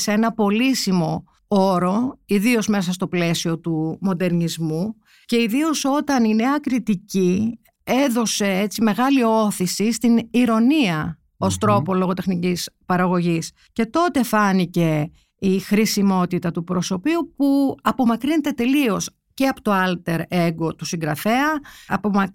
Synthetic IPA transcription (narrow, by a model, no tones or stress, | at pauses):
see̞nɐpo̞lisimo̞ | o̞ɾo̞iðio̞zme̞sɐst̪o̞ple̞sio̞t̪umo̞d̪e̞ɾnizmu | ce̞iðio̞so̞t̪ɐnine̞ɐkɾit̪ici | e̞ðo̞se̞et͡sime̞ɣɐlio̞θisist̪iniɾo̞niɐ | o̞st̪ɾo̞po̞lo̞ɣot̪e̞xnicispɐɾɐɣo̞ʝis | ce̞t̪o̞t̪e̞fɐnice̞ | ixɾisimo̞t̪it̪ɐt̪upɾo̞so̞piupuɐpo̞mɐkɾine̞t̪e̞t̪e̞lio̞s | ce̞ɐpo̥t̪o̞ɐlt̪e̞ɾeɡot̪usiŋɡɾɐfe̞ɐɐpomɐ